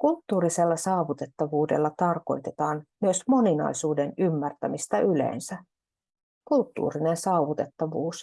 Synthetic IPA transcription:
kult̪ːuːɾise̞lːɑsɑːʋut̪e̞t̪ːɑʋuːdḛlːɑt̪ɑrko̞̰jt̪e̞t̪ɑːnmyøsmo̞ninɑ̰jsuːde̞nymːært̪æmist̪ɑʔyle̞̰ːnsæ | kult̪ːṵːrine̞nsɑːuʋut̪e̞t̪ːɑʋuːs

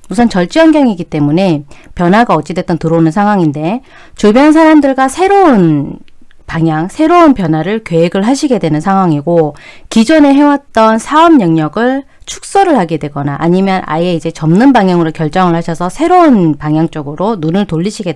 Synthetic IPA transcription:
musʰʌnt͡ɕʌɭt͡ɕ͈iʌnɡjaŋiɡit͈e̞mune̞pjʌnɦwaɡaʌt͡ɕ͈idwe̞t͈ʌntɯɾonɯnsʰaŋwaŋinde̞ | t͡ɕubjʌns̬ʰaɾamdɯɭɡwasʰe̞ɾoun | paŋjaŋsʰe̞ɾounpjʌnɦwaɾɯɭkjweeɡɯɭɦaɕʰiɡe̞dwe̞nɯnsʰaŋwaŋiɡokid͡ʑʌne̞ɦe̞wat̚t͈ʌnsʰaʌmɲʌŋɲʌɡɯɭ | t͡ɕʰu̥k̚s͈ʌɾɯɭhaɡe̞dwe̞ɡʌnaʔaɲimjʌnʔa̰ie̞id͡ʑe̞t͡ɕʌmnɯnbaŋjʌŋɯɾokjʌɭt͡ɕ͈ʌŋɯɭɦhaɕʰʌsʰʌsʰe̞ɾounpaŋjaŋt͡ɕ͈ʌɡɯɾonunɯɭtoʎːiɕʰiɡe

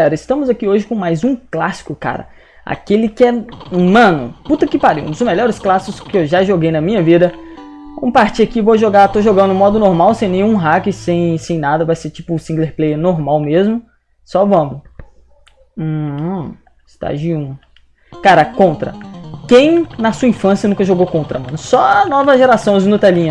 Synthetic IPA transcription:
ɛɾɐɪst̪ɐ̃mʊzakioʒɪkõmajzũklasɪ̥kʊka̰ɾɐ̰ | a̰kelɪkɪɛmɐ̃nʊ̰put̪ɐkɪpaɾḭũd̪ʊzmeʎɔɾɪsklasɪ̥kʊ̥skɪewʒaʒoɡejnɐmĩɲɐvid̪ɐvɐ̰̃mʊpaɾt͡ʃiakivoʒoɡat̪oʒoɡɐ̃nd̪ʊũmɔd̪ʊnoɾmawsẽj̃nẽj̃ũɦakɪsẽj̃sẽj̃nad̪ɐvajset͡ʃi̥pʊsĩŋɡleɾplejnoɾmawmezmʊ | sɔvɐ̃mʊ | st̪a̰ʒiũ | kaɾɐkõnt̪ɾɐ̰kẽj̃nɐsuɐĩfɐ̃sjɐnũkɐʒoɡowkõnt̪ɾɐmɐ̃nʊsɔnɔvɐʒeɾasɐ̃w̃znut̪ɛlĩɲɐ

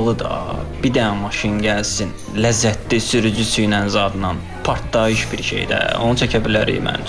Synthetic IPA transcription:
lˠɯd̪ɑ̰bid̪æmɑʃinɟælsin | læzːæt̪ʰlisyɾyd͡ʒysyjnænzɑd̪ɯnɑn | pʰɑɾt̪d̪ɑiʃbiɾʃe̞̰jd̪æ̰o̞̰nut͡ʃʰæcʰæbilæɾḭmæ̰n

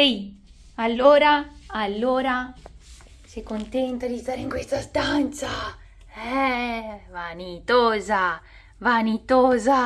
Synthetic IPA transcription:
i | alːoːɾaːlːoːɾa | sikːont̪ɛnt̪ad̪ist̪aːɾeiŋkwest̪ast̪ant̪sa | ɛvanit̪ɔːza | vanit̪oːza

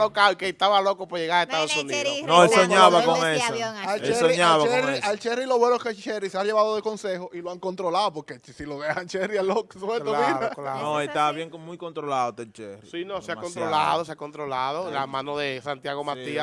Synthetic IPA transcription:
lokawikeet̪aβalokopoʝeɣaɾaeht̪aðosuniðonoelsoɲaβakoŋesoalt͡ʃeesoiɲaβaeresalt͡ʃeriloβwenoket͡ʃeriseaʝe̞βaðoðeko̞nsehoʔiloaŋkont̪ɾo̞laðopoɾkesiloðehant͡ʃerɾialoksoβɾeuinaanoet̪aβaβjeŋkmujkont̪ɾolaðot̪et͡ʃerḭsinoseakont̪ɾolaðoseakont̪ɾolaðola̰mãnoðesant̪jaɣomat̪ia

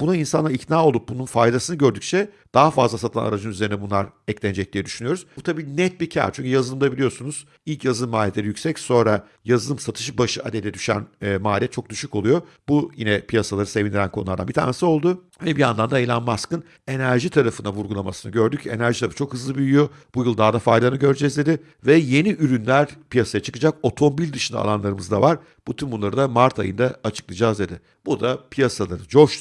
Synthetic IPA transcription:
b̥unainsanˠaɾic̪naːo̞lˠup̚bununfajd̪asɯnɯɟø̞ɾd̪yk̚t͡ʃʰɛ | d̪̥aɦafazlˠasat̪ʰana̰ɾad͡ʒɯnyze̞ɾinɛbunlˠaɾ | ɛclʲænd͡ʒɛc̚lʲiːid̪yʃynyjo̞ɾuz̥t̪ʰabiːnɛt̪̚bicʰæ̰ɾt͡ʃʰyɲʲcʰyjazɯlˠɯmd̪abilʲijo̞sunuz̥ | ilʲcjazɯlɯmːaːlʲɛt̪lʲeɾijykcsɛcso̞nɾa | jazɯlˠɯmsat̪ʰɯ̥ʃ̬ɯbaʃɯad̪ed̪ɛd̪yʃæ̰nːmaːlʲɛt͡ʃʰo̞k̚d̪yʃyko̞lˠujo̞ | bujinɛpʰijasalˠaɾɯse̞vind̪iɾænkʰo̞nlˠaɾd̪a̰bit̪ʰa̰ɾnesio̞lˠd̪u | vɛbijand̪and̪aejlʲanmaskɯn | e̞næɾʒit̪ʰaɾafɯnavuɾɡulˠamasɯnɯɟø̞ɾd̪ycʰe̞̰næɾʒit̪ʰabit͡ʃʰo̞kɦɯzlˠɯbyjyjo̞b̥ujɯlˠd̪aːd̪afajd̪anɯɟø̞ɾd͡ʒɛzd̪ʲe̞d̪ɪ | vɛje̞niʔyɾynlʲæɾpijasajat͡ʃʰɯ̥kɯd͡ʒako̞t̪ʰo̞mbilʲd̪ɯʃɯnd̪a̰lˠanlˠaɾɯmɯzd̪avaɾ | b̥ut̪ʰynbunlˠaɾɯd̪amaɾt̪ʰajɯnd̪aːt͡ʃʰɯ̥klˠɯd͡ʒaːzd̪e̞d̪ɪ | b̥ud̪apʰijasalˠaɾɯd͡ʒoʃ

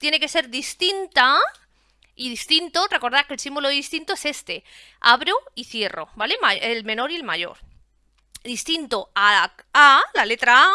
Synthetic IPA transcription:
t̪je̞ne̞ke̞se̞ɾðist̪int̪a | iðist̪int̪o̞re̞ko̞ɾð̞aɾkelsimbuloist̪int̪o̞e̞se̞st̪e̞ | aβ̞ɾoiθje̞ro̞̰bale̞maelmẽ̞no̞ɾie̞lmaʝo̞̰ɾ | ðist̪int̪o̞a | alale̞t̪ɾaa

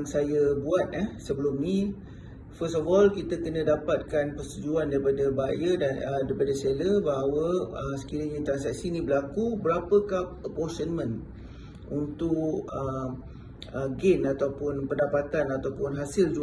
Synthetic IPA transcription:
ŋsajabuat̪̚ɛhsəbəlumni | fəstɔfɔlkit̪akənə̃dapat̪̚kanpəst̪ud͡ʒuandaɾipadabajədadaɾipadaseləbaɦawəəsə̥kiɾəɲãt̪ɾansak̚sinĩbəlakubəɾapəkap̚əpɔsənmə̃n | unt̪ʊkə | əɡenat̪awpʊnpəndapat̪anat̪awpʊnɦasɪld͡ʒu

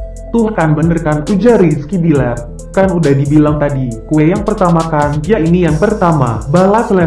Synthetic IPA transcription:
t̪uhkanbənərkanud͡ʒaɾiskibila | kanudahdibilaŋt̪adikuɛjaŋpərt̪amakanjainijaŋpərt̪ama̰balasla

